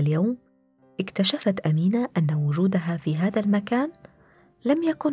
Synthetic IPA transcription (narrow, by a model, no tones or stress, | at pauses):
ljawm | ʔɪkt̪aʃafat̪ʔamiːnaːʔanːawʊd͡ʒuːd̪aɦafiːɦaːðalmakaːn | lamjakʊn